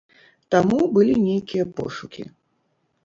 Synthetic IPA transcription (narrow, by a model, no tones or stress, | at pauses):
t̪amubɨlʲinʲejkʲijɐpɔ̰ʂukʲḭ